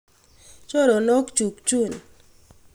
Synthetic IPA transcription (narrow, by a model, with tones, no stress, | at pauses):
t͡ʃɔ˦ɾɔ˨nɔ˦kt͡ʃu˨kt͡ʃu˦˨n